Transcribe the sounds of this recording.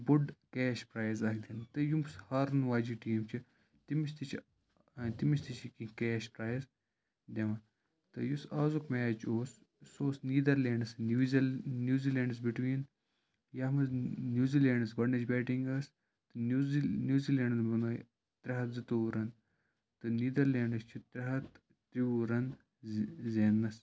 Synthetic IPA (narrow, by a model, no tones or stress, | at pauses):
buɖkeːʃpɾaːjzɐkʰd̪ʲint̪ɨjumshɐɾɨnʋaːd͡ʒiːʈiːmt͡ʃʰi | t̪imit͡ʃt̪it͡ʃʰ | t̪imisʲt̪it͡ʃʰikikeːʃpɾaːjz | d̪ʲeʋɐ | t̪ɨjusaːzukmeːt͡ʃoːs | soːsniːd̪ɐɾlʲeːɳɖɨsznjuːziːleːɳɖɐsbiʈʋiːn | jɐːɦmɐznʲjuːziːleːɳɖɐsbɐɖnɐt͡ʃbʲeːʈiŋɡɐs | t̪ɨnjuːziːleːɳɖɐnbɐnɐ | t̪ɾɐɦɐt̪zɨt̪uːɾɐn | t̪ɨniːd̪ɐɾleːɳɖɐst͡ʃʰut̪ɾɐɦɐt̪ | t̪ɾiuːɾɐn | zeːnːɐs